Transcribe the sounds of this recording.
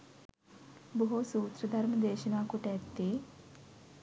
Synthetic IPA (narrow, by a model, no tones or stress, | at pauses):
boɦusuːt̪ɾɐd̪ʱɐɾməd̪eːʃɐnaːkuʈɛt̪ːeː